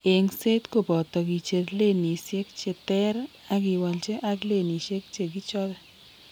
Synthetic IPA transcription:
e˨ŋse˦tko˨pɔ˨tɔ˨ki˨t͡ʃe˨ɾle˦ni˨sje˦kt͡ʃe˨tɛ˦ɾ | a˦k̬ɪ˨wa˨lt͡ʃe˦ʔa˦kle˦˨ni˨ʃe˦k̚t͡ʃe˨ki˦t͡ʃɔ˦ɾɛ˦

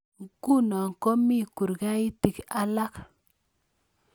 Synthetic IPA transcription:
ɡu˦˨na˨ŋ˨ko˦mi˦˨ku˨ɾɡa˦ji˦ti˨ka˦la˦k

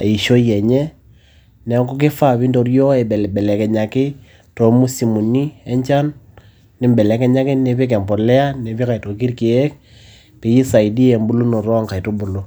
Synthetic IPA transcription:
i˨ʃo˦jɛ˨ɲɛ˦ | nɛ˨˦ŋɡu˦k̬ɪ˦fa˦˨bi˦ndo˨ɾjo˦ɛ˨bɛ˨bɛ˨lɛ˨kɛ˨ɲa˨kɪ˦ | to˨mu˦si˨mu˨ni˦ɛ˦ɲt͡ʃa˦nː | ɪ˨˦mbɛ˨lɛ˨kɛ˨ɲa˦kɪ˦nɛ˨bi˦k̬ɛ˨mbɔ˨lɛ˦a˦nɛ˨bi˦ka˨i˨to˨ki˦rki˨ɛ˦k̚ | pe˨ji˦sa˨i˨di˦ɛ˨mbu˦lu˦no˨ɾɔ˦ŋka˨i˨to˦bʊ˨lo˨˦

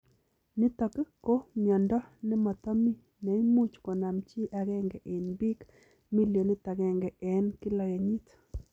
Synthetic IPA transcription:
nɪ˦tɔ˨ke˦ko˦mjɔ˨ndɔ˦nɪ˦mɔ˨t̪ɔ˦mi˦ | nɛ˨i˦mu˦t͡ʃkɔ˨na˨mt͡ʃi˦ʔa˨ɣɛ˦ŋɡɛ˨ʔe˨nbi˦k | mi˦ljo˨nɪ˦ta˨ɡɛ˦ŋɡɛ˨ɛ˨˦nkɪ˦lɔ˨ja˨ɲi˦t

